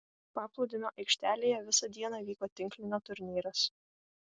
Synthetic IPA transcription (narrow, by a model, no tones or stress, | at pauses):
pɑːplˠɔʊd̪ʲɪnʲoːʔɐɪkʃʲt̪ʲæːlʲeːjɛʋʲɪsɐd̪ʲiɛnɑːʋʲiːkoːt̪ʲɪŋʲklʲɪnʲot̪ʊɾʲnʲiːɾɐs